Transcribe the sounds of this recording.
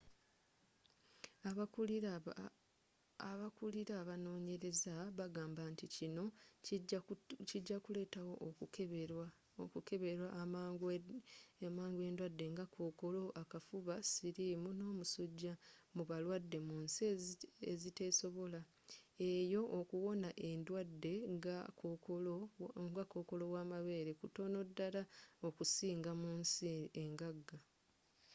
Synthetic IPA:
a | aβakuliɾaːβano̞ːɲe̞ɾe̞zaβaɡaːmbanticino̞ | ciɟːakule̞ːtawo̞ʔ | okuke̞βe̞ɾwaɡ | maːŋɡwe̞ːndwadːe̞ŋɡakʰoːko̞lo̞ʔakafuβasiɾimuno̞ːmusuɟːamuβalwadːe̞muːns | ezite̞ːso̞βo̞la | e̞jo̞ʔokuwo̞naʔe̞ndwadːe̞aloŋɡako̞ːko̞lowaːmaβe̞ːɾe̞kuto̞no̞dːalaokusiːŋɡamuːnsieŋɡaɡːa

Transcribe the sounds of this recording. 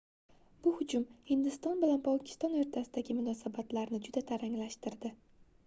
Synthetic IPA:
b̥ʊhʊd͡ʒʊmhɪnd̪ɪst̪ɒnbɪlanpʰɒkʲʰɪ̥st̪ɒnoɾt̪ʰasɪd̪aɡʲɪmʊnɒsabat̪laɾnɪd͡ʒʊd̪at̪ʰaɾaŋlaʃt̪ɪɾd̪ɪ

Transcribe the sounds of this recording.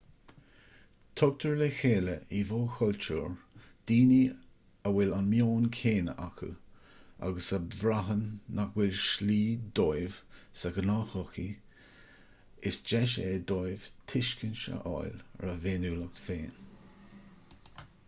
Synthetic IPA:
t̪ʰɔk̚t̪ʰəɹlexeːləivoːxʰɔltṵːɹ | d̪̥iːni | əwɪlanmjoːnkʰeːnəʔakʰṵ | a̰ɡəsəvɾaɦənːakwɪlʃliːd̪ojvsəɡənaːxɔxi | ɪsd͡ʒɛʃeːd̪ojv̥t̪ʰɪʃkənʃə̰ʔɔ̰jlɹəveːnuːlək̚t̪feːn

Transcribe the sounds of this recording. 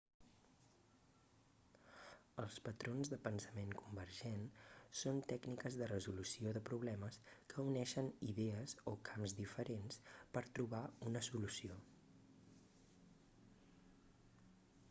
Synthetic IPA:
əlˠspət̪ɾonzðəpənsəmeŋkumbəɾʒensont̪ɛknikəzðərəzulusioðəpɾuβlɛməskəunɛʃəniðɛəzokʰamzd̪ifəɾenspəɾt̪ɾuβaunəsulusio

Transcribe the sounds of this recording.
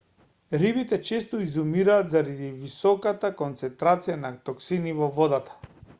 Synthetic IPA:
ɾibit̪ɛt͡ʃɛst̪ɔizumiɾaːd̪zaɾad̪ivisɔkat̪akɔnt̪sɛnt̪ɾat̪sijanat̪ɔksinivɔvɔd̪at̪ḁ

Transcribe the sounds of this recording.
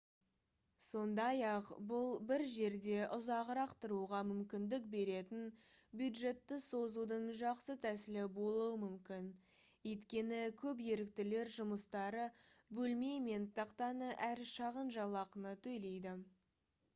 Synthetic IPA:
so̞nd̪ɑjɑqbʊlˠbɪɾʒe̞ɾd̪e̞ʔʊzɑʁɾɑqt̪əɾuʁɑmʏmkʲɪnd̪ɪk̚be̞ɾe̞t̪ɪnbjud̪ʒe̞t̪ːɪso̞zud̪əɴʒɑqsət̪ʰæsɪlɪbo̞lˠuwəmʏmkʲɪn | jt̪kʲe̞nɪkʲʰɵp̬je̞ɾɪk̚t̪ɪle̞ɾʒʊməst̪ɑɾəbɵlme̞jme̞nt̪ʰɑqt̪ɑnəʔæɾʃɑʁənʒɑlˠɑqənət̪ʰɵjle̞jd̪ɪ

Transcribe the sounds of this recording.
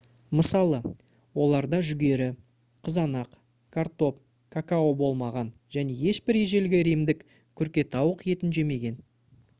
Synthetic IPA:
məsɑlˠə | wo̞lˠɑɾd̪ɑʒʏɡʲe̞ɾɪ | qʰəzɑnɑq | kʰart̪o̞p̚ | kʰakao̞bo̞lˠmɑʁɑnʒ̥æne̞je̞ʃbɪɾeʒe̞lɡʲɪɾijmd̪ɪk | kʲʰʏɾkʲe̞t̪ʰɑwəqje̞t̪ɪnʒe̞me̞ɡʲe̞n

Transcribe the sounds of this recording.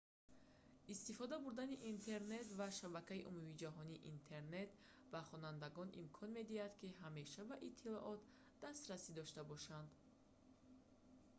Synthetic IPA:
ist̪ifɔd̪abuɾd̪aniʔint̪ʰe̞ɾne̞t̪vaʃabakaiʔumumid͡ʒaɦɔniːʔint̪ʰe̞ɾne̞t̪ | vaχɔnand̪aɡɔnʔḭmkʰɔnme̞d̪ihad̪kiɦame̞ʃabaʔit̪ʰːilɔʔɔt̪ | d̪̥ast̪ɾasid̪ɔʃt̪abɔʃand̪

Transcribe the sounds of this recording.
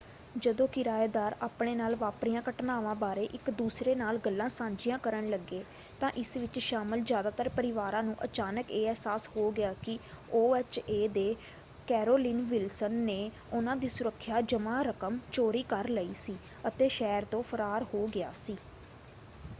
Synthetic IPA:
d͡ʒəd̪õːkɪɾaːeːd̪aːɾaːpɳeːnaːlʋaːpɽijãːkəʈnaːʋãːbaːɾeːʔɪkd̪uːsɾeːnaːlɡəlːãːsãːɲd͡ʒɪjãːkəɾəɳləɡːeː | t̪ãːʔɪsʋɪt͡ʃʃaːməlzjaːd̪aːt̪əɾpəɾɪʋaːɾãːnũːʔət͡ʃaːnəkeːɛːsaːshoːɡɪaːkɪ | oːɛːt͡ʃeːd̪eː | kɛːɾoːlɪːnʋɪlsənːeː | ʊnãːd̪iːsʊɾəkʰːjaːd͡ʒəmaːɾəkəmt͡ʃoːɾiːkəɾləiːsiː | ət̪eːʃɛːɾt̪õːpʰəɾaːɾhoːɡɪaːsiː

